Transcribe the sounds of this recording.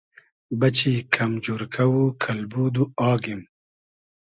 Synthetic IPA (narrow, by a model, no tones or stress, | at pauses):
bɐt͡ɕikʰɐmd͡ʒuɾkʰɐwukʰɐlbuːd̪uɑːɡim